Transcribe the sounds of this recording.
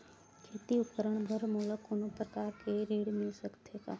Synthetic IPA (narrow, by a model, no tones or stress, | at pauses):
kʰeːt̪iʊkəɾəɳ̃bʱəɾmoːləkʊnũpɾəkaːɾkʰeɾiːɽmɪlsəkt̪ʰeːka̰ː